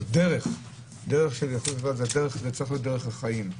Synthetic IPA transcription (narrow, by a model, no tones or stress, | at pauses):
deʁeχ | d̪eʁeχʃeljaχolvazeadeʁeχzet͡sɐʁixlot̚deʁeχaχajim